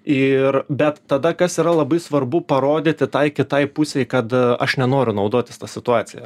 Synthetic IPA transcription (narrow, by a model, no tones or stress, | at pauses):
ɪrbʲɛt̪ːɐd̪ɐkɐsiːɾɐlˠɐbɐɪsʋɐrbʊpɐɾoːd̪ʲɪt̪ʲɪt̪ɐɪkʲɪt̪ɐɪpʊsʲɛɪkɐt̪ɐ̰ʃnʲɛnoːɾʲʊnɐʊd̪oːt̪ʲɪst̪ɐsʲɪt̪ʊɑːsʲɪjɛ